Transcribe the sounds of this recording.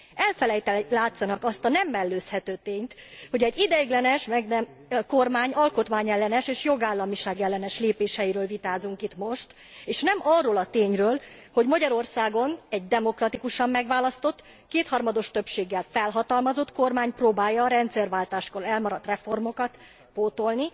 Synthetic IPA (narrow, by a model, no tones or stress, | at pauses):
ɛlfɛlɛjt̪ɛlaːt̪sɒnɒkɒst̪ɒnɛmːɛlːøːshɛt̪øːt̪eːɲt̪ho̞ɟɛɟːid̪ɛɡlɛnɛʃmɛɡnɛm | ko̞rmaːɲɒlko̞t̪maːɲɛlːɛnɛʃeːʃjo̞ɡaːlːɒmiʃaːɡɛlːɛnɛʃleːpeːʃɛjiɾøːlvit̪aːzuŋkit̪mo̞ʃt̪ | eːʃnɛmɒrːoːlɒt̪eːɲrøːl | ho̞ɟmɒɟɒɾo̞rsaːɡo̞nɛɟd̪ɛmo̞krɒt̪ikuʃɒmːɛɡʋaːlɒst̪o̞t̪ː | keːt̪hɒrmɒd̪o̞ʃt̪ø̞pʃeːɡːɛlfɛlɦɒt̪ɒlmɒzo̞t̪ko̞rmaːɲproːbaːjːɒːɾɛnt̪sɛrvaːlt̪aːʃkolɛlmɒɾɒt̪rɛfo̞rmo̞kɒt̪ | poːt̪o̞lni